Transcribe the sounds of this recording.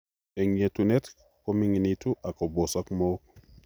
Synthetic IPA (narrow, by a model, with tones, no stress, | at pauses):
e˨ŋe˨tunet | ko˦mi˨ŋi˨nitu˦ʔa˨ko˨bo˨sakmo˦k̚